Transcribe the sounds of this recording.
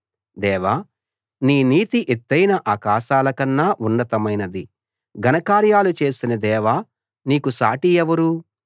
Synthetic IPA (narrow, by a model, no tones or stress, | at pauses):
d̪ɛːʋaː | niːniːt̪iʔet̪ːɐjnɐʔaːkaːʃaːlɐkɐnːaːʔunːɐt̪ɐmɐjnɐd̪i | ɡʱɐnɐkaːɾjaːlut͡ʃe̞ːst̪unɐd̪ɛːʋaː | niːkusa̰ːʈijɛʋɐɾu